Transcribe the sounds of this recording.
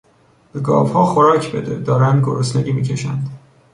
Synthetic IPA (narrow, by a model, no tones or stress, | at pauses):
b̥eɡɒ̰ːvhɒːxoɾɒːcʰbed̪ed̪ɒːɾænd̪ɡoɾosneɟiːmiːcʲʰeʃæ̰nd̪̥